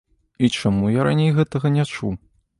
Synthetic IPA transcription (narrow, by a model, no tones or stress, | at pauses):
it͡ʂamujaɾanʲejɣɛt̪ɐɣɐnʲat͡ʂṵ